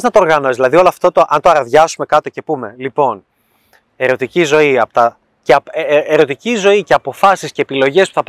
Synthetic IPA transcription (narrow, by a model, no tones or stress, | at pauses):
znɐt̪o̞ːɾɣɐno̞ezðilɐðio̞loɐft̪ot̪oʔɐnt̪oɐɾɐðʝɐsume̞kɐt̪o̞ce̞pume̞lipo̞n | e̞ɾo̞t̪icizo̞iɐpot̪ɐ | ceeɾo̞t̪icizo̞ice̞ɐpo̞fɐsisce̞ːpilo̞ʝe̞spu̥θɐp